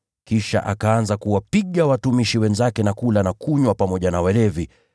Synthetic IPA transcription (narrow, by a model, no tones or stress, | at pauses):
kiʃa̰ʔakaanzakuwapiɠawatumiʃiwɛnzakɛnakulanakuɲwapamɔʄanawɛlɛvi